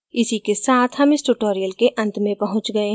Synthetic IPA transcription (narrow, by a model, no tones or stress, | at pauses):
ɪsikesaːt̪ʰɦɐmɪsʈuʈoːɾijəlkeʔɐ̃nt̪mẽpɐɦʊ̃t͡ʃɡɐeɦ